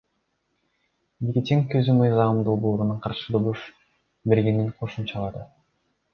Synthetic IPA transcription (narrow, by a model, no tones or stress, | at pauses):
vikʲit̪ʲiŋkøzymɯjzɑmd̪o̞lˠboːɾunuɴqʰɑɾʃɯd̪ob̪ˠuʃ | be̞ɾɡe̞niŋqʰo̞ʃumt͡ʃɑlˠɑd̪ɯ